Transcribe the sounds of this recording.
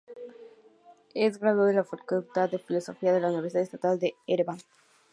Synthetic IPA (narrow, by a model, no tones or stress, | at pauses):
esɡɾaðoðelafɐkult̪aðefilosofiɐðelauniβeɾsiðaest̪at̪ald̪eeɾebaŋ